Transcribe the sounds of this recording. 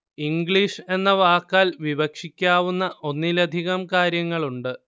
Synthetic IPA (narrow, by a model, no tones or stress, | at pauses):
iŋɡɭiʂe̞nːɐʋaːkːaːlʋibɐkʂikʲːaːʋunːɐʔo̞nːilɐd̪ʱiɣɐmkaːɾjɐŋːɐɭuɳɖɨ